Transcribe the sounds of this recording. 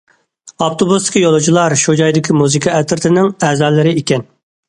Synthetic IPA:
ɑpt̪ʰobust̪ʰɪ̥kʲjolˠɨd͡ʒilˠɑɾʃud͡ʒɑjd̪ɪkʲʰimuzɨkʰɑɛt̪ʰɪɾt̪ʰɪnɪŋɛːzɑːlˠɨɾɪekʲɛn

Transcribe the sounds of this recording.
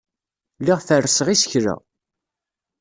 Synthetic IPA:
lːiʁθərːsəʁisə̥çɾə̰

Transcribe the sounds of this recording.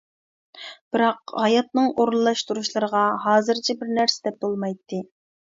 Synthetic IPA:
b̥ɪɾɑqhɑjɑt̪̚nɨŋʔoɾlːˠɑʃt̪ʰuɾuʃlˠɨɾəʁɑɦɑːzɨɾt͡ʃʰɛbɪɾnæɾsɪd̪ɛp̚bolˠmɑjt̪ʰːɨ

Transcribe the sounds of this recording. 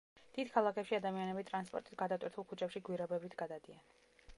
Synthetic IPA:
d̪̥id̪̥kʰalˠakʰɛpʃiad̪amianɛbit̪ʼɾanspʼɔ̰ɾt̪ʼit̪ɡad̪at̪ʼwiɾt̪ʰulˠkʰut͡ʃʰʼɛpʃiɡwiɾɛbɛbit̪ʰɡad̪ad̪ian

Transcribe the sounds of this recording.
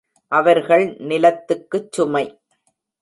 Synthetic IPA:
ʔɐʋɐɾɣɐɭnɪlɐt̪ːɯkːɯt͡ʃːʊmɐɪ

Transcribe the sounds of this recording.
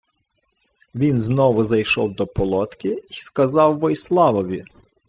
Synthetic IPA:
ʋʲinznɔʋʊzɐjʃɔwd̪ɔpɔlˠɔt̪kʲɪiskɐzɑwːɔjslˠɑʋɔʋʲi

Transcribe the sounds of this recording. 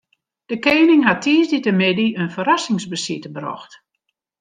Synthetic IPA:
d̥əkeːnɪŋɦatʰiːsditəmɪdiənfəɾasɪŋsbəsitəbrɔ̰xt

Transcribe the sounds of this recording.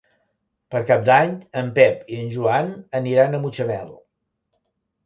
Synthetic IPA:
pəɾkap̚d̪aɲəmpɛpiənʲʒuanəniɾanəmut͡ʃəβɛlˠ

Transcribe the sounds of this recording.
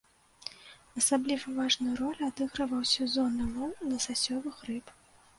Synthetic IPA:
ɐsablʲivɐvaʐnɨjuɾɔlʲad̪ɨɣɾɐvɐwsʲɐzɔnɨmɔwnɐsasʲɔvɨxrɨp

